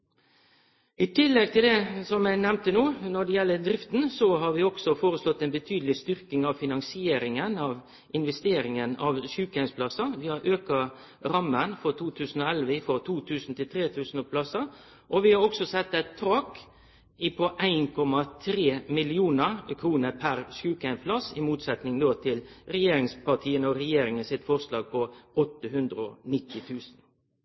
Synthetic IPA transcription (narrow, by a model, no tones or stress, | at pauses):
ɪt̪ʰɪlːɛɡ̚t̪ɪld̪ɛsɔmæɪnɛmnt̪ənuːnɔɖɛjɛlːəd̪ɾɪft̪nsɔɦɑɾʋɪɔɡ̥sɔfoːɾəslɔt̪ːɛɪnbət̪ʰyːd̪lɪst̪ʏɾkɪŋɑʋfɪnɑŋsɪeːɾɪŋənɑʋ | ʔɪnʋɛst̪eːɾɪŋənɑʋʃʉːkhæɪspʰlɑsːɑʋɪhɑɾʔøːkɑ | ɾɑmːənfɔɾt̪ʰuːt̪ʰʉːsn̩ɔɛlʋəɪfɔɾt̪ʰuːt̪ʰʉːsn̩t̪ɪlt̪ʰɾeːt̪ʰʉːsn̩ɔpʰlɑsɑ | ʔɔʋɪhɑɔksɔsɛt̪ːɛɪt̪ʰːɾɑːk | ɪpʰɔʔæɪnkʰɔmɑt̪ʰɾeːmɪlɪuːnəkʰɾuːnəɾpʰæɾʃʉːkæɪnpʰlɑsɪmuːt̪sɛt̪nɪŋd̪oːt̪ʰɪlɾɛjeːɾɪŋspɑʈ̪ʰiːənəɔɾɛjeːɾɪŋənsɪt̪fɔʁʂlɑːɡ̚pʰɔɔt̪ːəɦʉnd̪ɾəɔnɪt̪ːɪt̪ʰʉːsn